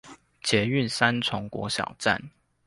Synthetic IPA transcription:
t͡ɕjɛ˨˥y˥˨nsa˦nt͡sʰʊ˧˥ŋkwɔ̰˧˥ɕjɑ̰˨˩ʊt͡sa̰˥˨n

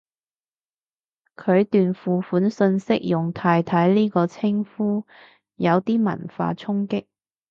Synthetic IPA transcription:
kʰɵ˨˧ɥt̪yː˨nfuː˨fuː˨˥nsɵ˧nsɪ˥k̚jʊ˨ŋt̪ʰaː˧jt̪ʰɐ˨˥jliː˥kɔː˧t͡sʰɪ˥ŋfuː˥ | jɐ˨˧wt̪iː˥mɐ̰˨˩nfa̰ː˧t͡sʰʊ˥ŋkɪ˥k̚

